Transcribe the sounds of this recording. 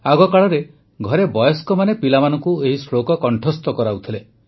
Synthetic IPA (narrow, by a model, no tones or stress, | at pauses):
aɡɔkaɭɔɾe | ɡʱɔɾebɔjɔskɔmanepilamanɔŋkueɦisɾokɔkɔɳʈʰɔst̪ɔkɔɾaut̪ʰile